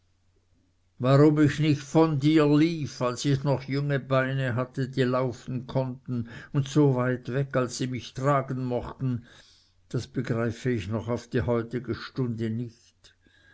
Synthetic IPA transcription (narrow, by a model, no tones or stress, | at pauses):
vaʁʊmɪçnɪçtfɔndiːɐliːfalsɪçnɔχjʊŋəbaɪnəɦatədiːlaʊfn̩kʰɔntn̩ʊntsoːvaɪtvɛkalsːiːmɪçtʁ̥aːɡn̩mɔχtn̩ | d̥asb̥əɡʁaɪfəɪçnɔχaʊfd̥iːhɔʏtɪɡəʃtʊndənɪçt